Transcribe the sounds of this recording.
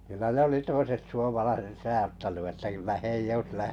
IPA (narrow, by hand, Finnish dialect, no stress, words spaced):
kylæ ne oli toiset suomɑlɑiset sɑjɑtːɑnu etːæ kylːæ h eij oĭs læhtenym